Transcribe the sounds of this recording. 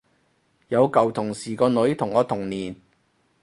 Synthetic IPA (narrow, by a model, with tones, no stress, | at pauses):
jɐ˨˧wkɐ˨˩wt̪ʰʊ˨˩ŋsiː˨˩kɔː˧nɵ˨˧˥ɥt̪ʰʊ˨˩ŋːɔː˨˧t̪ʰʊ˨˩ŋniː˨˩n